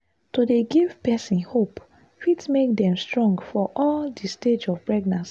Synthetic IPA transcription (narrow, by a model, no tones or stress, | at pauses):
todeɡiv̥pɛsĩnhop | fitmek̚dɛ̃mstɹɔ̃ŋɡfɔʔɔldisted͡ʒɔvpɹɛɡnãns